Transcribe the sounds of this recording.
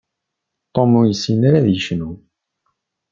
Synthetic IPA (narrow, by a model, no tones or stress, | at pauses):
t̪ˤːomujəsːinaɾaðjəʃnu